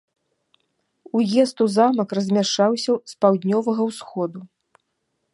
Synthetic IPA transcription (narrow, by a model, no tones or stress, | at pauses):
ujɛst̪uzamɐkrɐzʲmʲaʂt͡ʂawsʲɐspawd̪ʲnʲɔvɐɣɐwsxɔd̪u